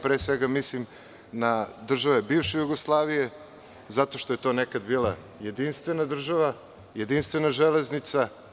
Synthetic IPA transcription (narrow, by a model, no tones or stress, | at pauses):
pɾeːsʋeɡamislim | nad̪r̩ʒaʋe̞biːvʃejuɡoslˠaːʋije̞ | zat̪o̞ʃt̪o̞je̞t̪o̞ːnekad̪biːlˠa | jed̪inst̪ʋe̞nad̪r̩ʒaʋa | jed̪inst̪vʋe̞naʒeleznit̪sa